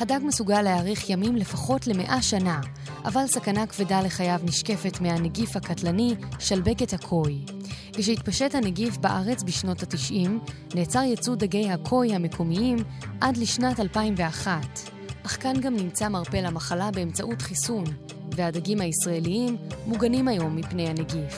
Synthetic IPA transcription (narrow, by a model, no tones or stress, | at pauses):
hadaɡmesuɡalːeaːʁiχjamimle̞faχo̞tle̞me̞ʔaʃana | ʔa̰valsakanakv̥edale̞χajavniʃke̞fe̞tmeaneɡifhakatlaniʃalbe̞ke̞thakʰo̞j | keʃ̬ehitpaʃe̞thaneɡifbaʔaʁe̞t͡sbiʃno̞tatiʃʔim | neːt͡saʁjet͡sudaɡe̞jhakʰo̞jhame̞kʰo̞miim | ʔadliʃnatalpaimveaχat | ʔaχkanɡamnimt͡samaʁpe̞lamaχalabeemt͡saʔutχisun | ve̞hadaɡimhaisʁae̞liimːuɡanimajo̞mːipne̞jhaneɡif